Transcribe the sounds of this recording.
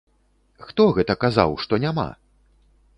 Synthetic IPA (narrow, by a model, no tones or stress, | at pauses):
xt̪ɔɣɛt̪ɐkaza̰wʂt̪ɔnʲama̰